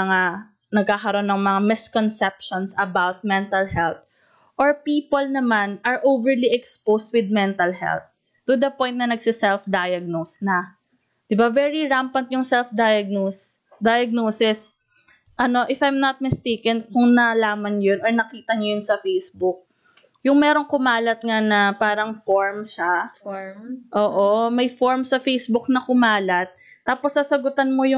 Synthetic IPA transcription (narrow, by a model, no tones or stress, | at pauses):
ɐŋa | nɐɡ̚kaːkɐɾo̞nːɐŋmɐŋamɪskɔnsɛp̚ʃonsɐbawt̪̚mɛnt̪ɐlhɛlt̪̚ | ʔoɹpiːpolnɐmanʔɐɹʔowvɛɹliʔɛkspowst̪̚wɪd̪̚mɛnt̪ɐlɦɛ̰lt̪̚ː | ʊd̪ɐpɔjnt̪nɐnɐɡsɪsɛlfd̪ajɐɡ̚nosnɐ | d̪̥ɪbavɛɹiɹampɐnt̪̚jʊŋsɛlfd̪ajɐɡ̚nos | d̪ɐjɐɡ̚noːsɪs | ʔɐno̞ʔɪfajmnɐt̪̚mɪst̪ejkɪnkʊŋnɐlaːmɐnjonoɹnɐkiːt̪ɐɲɐjonsɐfejsbʊk̚ | jʊŋmɛːɾoŋkʊmaːlɐt̪̚ŋanɐpaːɾɐŋfoɹmʃa | ʔoːʔo̞mɐjfoɹmsɐfejsbʊknɐkʊmaːlɐt̪̚ːaːposːɐsɐɡʊt̪anmojʊ